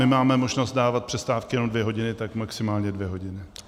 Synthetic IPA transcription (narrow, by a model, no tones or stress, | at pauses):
ɪmaːmɛmo̞ʒnost̪̚daːvat̪̚pr̥ɛst̪aːfkɪjɛnomdvjɛɦo̞ɟɪnɪt̪akmaksɪmaːlɲɛdvjɛɦo̞ɟɪnɪ